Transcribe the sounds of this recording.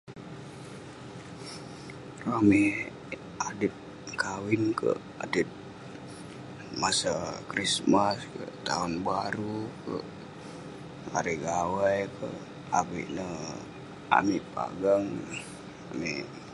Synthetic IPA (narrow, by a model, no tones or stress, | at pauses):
rami | adit̪̚ | kawinkə̰ʔ | adit̪̚ | masakɾismaskə̰ʔt̪a̰unbaɾukə̰ʔ | a̰ɾiɡawajkʰə̰ʔ | a̰bḭʔnə | a̰miʔpa̰ɡaŋ | ami